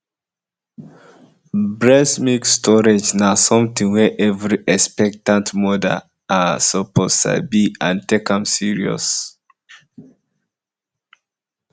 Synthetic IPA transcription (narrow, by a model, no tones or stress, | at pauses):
blɛsmikstʰɔɹed͡ʒnasɔ̃mtĩŋwɛʔɛvɹiʔɛspɛk̚tãntmɔda̰ | asɔpʰostʰa̰biãntekãmsiɹiɔ̰s